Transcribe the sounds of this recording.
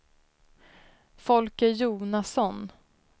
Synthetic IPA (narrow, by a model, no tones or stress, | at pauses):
fɔlkəjuːnasɔn